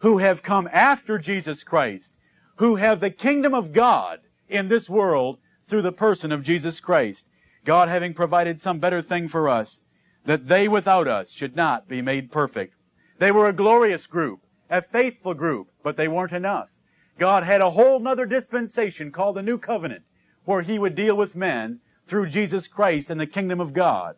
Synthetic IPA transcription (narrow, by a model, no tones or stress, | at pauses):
huɨv̥kʰʌ̃mæftə˞d͡ʒizɨskʰɹ̥aɪst̚ | huɨvðɨkʰɪ̃ŋdɨ̃mʌvɡɑɾ | ɪ̃nðɪswɜ˞lˠd̪̚ | θɹʉðəpʰɜ˞sɨ̃nʌvd͡ʒizɨskʰɹ̥aɪst̚ | ɡ̥ɑd̚ɦævɪ̃ŋpʰɹ̥ɨvaɪɾɨd̥sʌ̃mbɛɾə˞θɪ̃ŋfə˞ʌs | ðɨt̪̚ðeɪwɨθaʊɾʌ̰sʃɨdⁿnət̚b̥imeɪd̚pʰɜ˞fɪ̰k̚t̪̚ | ðeɪwə˞ɨɡlɔɹiɨsɡ̥ɹʉp̚ | ɨfeɪθfl̩ˠɡɹʉpb̥ʌt̪̚ðeɪwɜ̃˞ntɨnʌf | ɡ̥ɑd̚ɨɾəɦoʊlˠnʌðə˞dɨspɨ̃nseɪʃɨ̃nkʰɔlˠd̪̚ɨnʉkʰʌvɨnɨ̰̃nʔ | wə˞iwɨdilˠwəðmɛ̃n | θɹʉd͡ʒizɨskʰɹ̥aɪstɨ̃nðɨkʰɪ̃ŋdɨ̃mʌvɡɑ̰d̥̚